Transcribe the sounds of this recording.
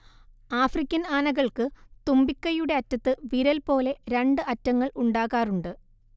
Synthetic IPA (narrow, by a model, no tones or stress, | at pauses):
aːfrikʲːɐnaːnɐɣɐɭkɨt̪umbikːɐjuɽe̞ɐtːɐt̪ːɨʋiɾɐlpo̞ːle̞ɾe̞ɳɖɨɐtːɐŋːɐɭuɳɖaːɣaːruɳɖɨ